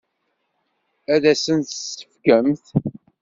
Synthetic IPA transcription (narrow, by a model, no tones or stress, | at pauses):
æðæsənt̪sə̥fkəmθ